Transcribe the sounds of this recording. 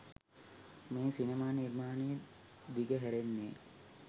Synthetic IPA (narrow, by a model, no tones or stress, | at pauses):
meːsinemaːnirmaːnejə | d̪iɡəɦæɾenːḛː